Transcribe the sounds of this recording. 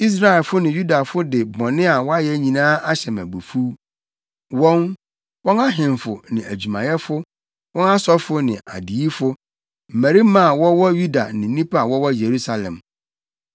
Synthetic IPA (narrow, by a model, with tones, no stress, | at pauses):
i˦s̬ɾa˦˨ɛ˨lfʊ˦nɪ̃˨ju˦da˨fʊ˦dɪ˨bɔ̃˨nɪ̃˦a˨wɔ˦a˦jɛ˦ɲĩ˨nãː˦a˦ɕɛ˨mæ̰˨bu˨fu˦ | wɔ̃˦n | wɔ̃˦na˦ɦɪ̃˨mfʊ˨nɪ̃˨æ˨d͡ʑᶣu˨mã˨jɛ˦fʊ˦ | wɔ̃˦na˦sɔ˦fʊ˦nɪ̃˨ʔa̰˨di˨i˦fʊ˦ | m̩˨mæ˨ɾi˦mã˦˨wɔ˦wɔ˦ju˦da˨nɪ̃˨˦nĩ˦pʰa˦a˨wɔ˦wɔ˦je˨ɾu˦sa˨lɛ̰̃˨m